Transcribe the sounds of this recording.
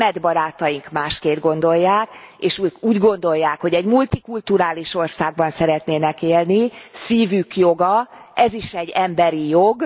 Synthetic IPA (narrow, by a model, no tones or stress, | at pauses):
mɛd̪bɒɾaːt̪ɒjiŋkmaːʃkeːnd̪ɡo̞nd̪o̞jːaːkeːʃuːɟɡo̞nd̪o̞jːaːkho̞ɟɛɟmult̪ikult̪uɾaːliʃo̞rsaːɡ̚bɒnsɛɾɛt̪neːnɛkeːlnisiːvykjoɡɒɛziʃɛɟːɛmbɛɾijoɡ